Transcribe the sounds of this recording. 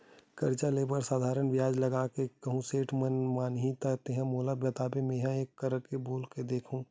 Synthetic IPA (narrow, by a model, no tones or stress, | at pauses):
kɐɾt͡ʃaleːbəɾsaːd̪ʱaːɾənʋɪjaːd͡ʒlɐɡaːkekɐɦũseːʈʰmənmaːnɦit̪at̪eɦə̃moːlabjɐt̪aːbemẽɦãeːkːəɾəɾkeboːlked̪eːkʰũː